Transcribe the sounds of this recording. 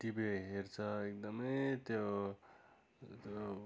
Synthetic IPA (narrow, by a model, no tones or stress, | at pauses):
ʈibeɦert͡sʰʌek̚d̪ʌmʌjt̪jo | t̪o